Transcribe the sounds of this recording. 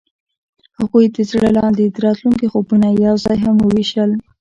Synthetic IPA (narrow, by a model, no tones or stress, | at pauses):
haɣujd̪əzɽəlɑnd̪ed̪əɾɑt̪luŋkixobunajawzɑjɦamwəwiʃəl